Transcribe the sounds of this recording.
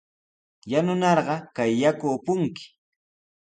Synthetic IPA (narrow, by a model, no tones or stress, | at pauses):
janʊnɑɾɢɑkajːakʊːpʊŋkɪ̥